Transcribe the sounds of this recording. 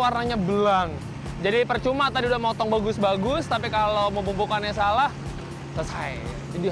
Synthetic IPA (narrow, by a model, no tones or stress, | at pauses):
warnaɲabəlaŋ | d͡ʒadipərt͡ʃumat̪adiudahmɔt̪ɔŋbaɡʊsbaɡʊst̪apikaloməpupukanɲasalah | səsa̰ | t̪idi